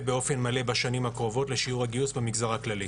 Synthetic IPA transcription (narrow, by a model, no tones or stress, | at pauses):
beo̞fe̞nmale̞baʃanimhakʁo̞vo̞tle̞ʃiuʁhaɡiusbemiɡzaʁaklali